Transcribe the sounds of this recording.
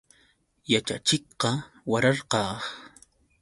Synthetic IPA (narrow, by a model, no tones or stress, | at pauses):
jat͡ʃa̰t͡ʃɪkqɑ | waɾɑɾqɑːχ